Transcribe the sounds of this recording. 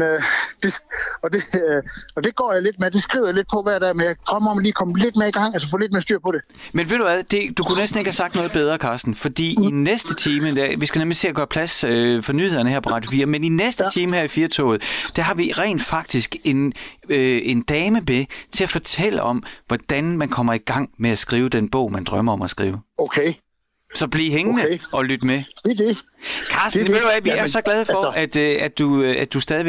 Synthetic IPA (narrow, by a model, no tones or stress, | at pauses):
d̥eɒ̽d̥e̝ | ɒ̽d̥e̝ɡ̥ɒ̰ːjɑle̝d̥̚meɐd̥e̝sɡ̥ʁḭʊ̰jale̝d̥̚pʰɒ̽ʋæɐd̥ɛ̰menjɑ̈ɪd̥ʁɶməɒ̽mliːkʰɒ̽məle̝d̥̚meɐiɡ̥ɑ̈ŋ̰ælsəfɔ̰ːled̥̚meɐsd̥yɐ̰pʰɒ̽ɾ̥e̝ | menʋe̝ðd̥uʋæðˠd̥e̝d̥ukʰunesd̥n̩e̝ɡ̥hæsɑ̈ɡ̥̚d̥nɔ̽ːðˠb̥eð̞ˠʁɐkʰɑːsd̥n̩fɒ̽d̥ḭːinesd̥ət͡sʰiːməd̥æʋisɡ̥æneɐmelse̝̰ːɐɡ̥ɶːɐpʰlæsøfɒ̽nyːhe̝ð̞̰ˠɐnəheɐpʰɒʁɑ̥̈jo̝fiːɐmeninesd̥ət͡sʰiːməheɐ̰ifiːɐt͡sʰo̰ːʊð̞̩ˠd̥æɦɑ̈ʋiʁɛ̰ːnd̥fɑ̈ɡ̥̚d̥isɡ̥e̝nøe̝nd̥ɛːməbet͡sʰe̝læfɒ̽t͡sʰel̰əɒ̽mʋɒd̥ænmænkʰɒ̽m̰ɐiɡ̥ɑ̈ŋ̰meæsɡ̥ʁiːʊəd̥enb̥ɔ̰ʊ̰mænd̥ʁɶmɐɒ̽mæsɡ̥ʁḭːʊokʰe | sɒ̽b̥liɦeŋənəɒ̽lyd̥əmedkʰɑsd̥ndelæʋiæɐsɒ̽ɡ̥lɛð̞ˠəfɒ̽æd̥æd̥uøæd̥usd̥ɛːðˠiʋe